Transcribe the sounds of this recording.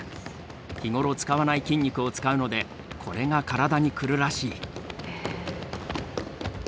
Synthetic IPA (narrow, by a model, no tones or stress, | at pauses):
kʲiŋo̞ɾo̞t͡sɨ̥kaβanaikʲĩɲ̟ʲːikɯ̟o̞t͡sɨ̥kaɯ̟no̞d̪e̞ | kʰo̞ɾe̞ŋakaɾad̪aɲ̟ikɯ̟ɾɯ̟ɾaɕiː